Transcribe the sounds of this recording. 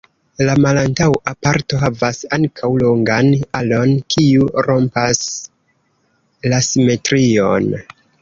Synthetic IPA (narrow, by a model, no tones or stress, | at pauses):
lamalantawapaɾto̞ɦavasaŋkʰawlo̞ŋɡanalo̞nkʰiuɾo̞mpas | lasime̞tɾio̞̰n